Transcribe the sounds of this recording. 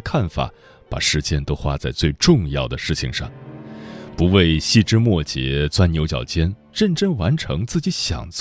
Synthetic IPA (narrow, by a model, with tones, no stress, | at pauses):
kʰa˥˩nfa̰˨˩˦ | pa̰˨˩ʂɻ̩˧˥t͡ɕjɛ˥˧nt̪o˥ʊxwa˥t͡sa˥˧ɪt͡swe˥˧ɪʈ͡ʂʊ˥˧ŋjɑ˥˩ʊd̪ə˩ʂɻ̩˥˩t͡ɕʰḭ˧˩ŋʂɑ̰˥˩ŋ | pu˧˥we˥˧ɪɕi˥˩ʈ͡ʂɻ̩˥mwɔ˥˩t͡ɕjɛ̰˧˥t͡swa˥njo˧˥ʊt͡ɕjɑ̰˨˩ʊt͡ɕjɛ˥n | ɻə˥˧nʈ͡ʂɤ˥˩ŋwa˧˥nʈ͡ʂʰɤ˧˥ŋt͡sɹ̩˥˩t͡ɕi˧˥ɕjɑ̰˨˩ŋt͡s